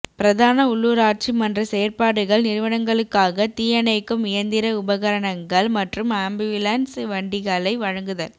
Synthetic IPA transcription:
pɪɾɐðaːnɐʊɭːuːɾaːʈ̚t͡ʃimɐndrɐseːɾpaːɽɯɣɐɭnɪɾɯʋɐɳɐŋɡɐɭɯkːaːɣɐt̪iːjɐnɐɪkːɯmɪjɐnd̪ɪɾɐʊbɐɣɐɾɐɳɐŋɡɐɭmɐʈrɯmaːmbiʋɪlɐnsʋɐɳɖɪɣɐlɐɪʋɐɻɐŋɡɯðɐl

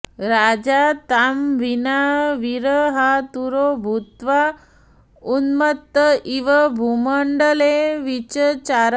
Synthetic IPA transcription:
ɾad͡ʒat̪amʋinaʋiɾəɦat̪uɾobʱut̪ʋa | unmət̪ːəʔiʋəbʱuməɳɖəleʋit͡ʃət͡ʃaɾ

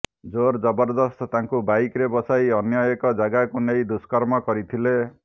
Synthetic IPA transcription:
d͡ʒoɾd͡ʒɔbɔɾd̪ɔst̪ɔt̪aŋkubajkɾebɔsajɔnjɔjekɔd͡ʒaɡakunejd̪uskɔɾmɔkɔɾit̪ʰile

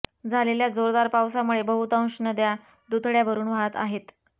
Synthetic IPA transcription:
d͡zʱaleljad͡zoɾd̪aɾpawsamuɭebəɦut̪ə̃w̃ɕnəd̪ja | d̪ut̪ʰɭjaʋəɾuːnʋat̪a̰ɦet̪

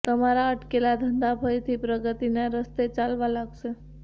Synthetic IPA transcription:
t̪əmaɾaəʈkelad̪ʱənd̪apʰəjt̪ʰipɾəɡət̪ineɾəst̪et͡ʃalʋãlaɡʃe

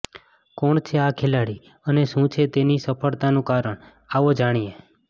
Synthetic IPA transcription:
kɔɳt͡ʃʰeakʰelaɽi | əneʃũt͡ʃʰet̪enisəpʰəɭt̪anũkaɾəɳ | aʋod͡ʒaɽ̃ie

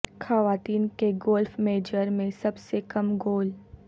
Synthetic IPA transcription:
xɐʋaːt̪iːnkeɡoːlfmeːd͡ʒəɾmẽsɐbsekɐmɡoːl

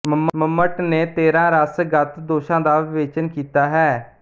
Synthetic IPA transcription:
məmməmːəʈneːt̪eːɾãːɾəsɡət̪d̪oːʃãːd̪aːʋeːt͡ʃənkiːt̪aːɦɛː

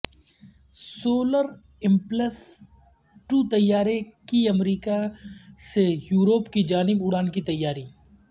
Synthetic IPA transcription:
soːləɾ | ɪmpləs | ʈuːt̪ɐjːaːɾekiɐmɾiːkasejuːɾoːpkid͡ʒaːnɪbʊɽaːnkit̪ɐjːaːɾiː

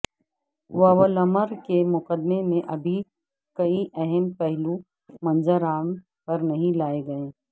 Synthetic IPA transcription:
ʋɐʋəlɐməɾkemʊqəd̪memẽʔɐbʱi | kɐiʔɛɦɛmpɛɦlu | mɐ̃nzəɾaːm | pɐɾnɐɦĩlaːeɡɐẽː

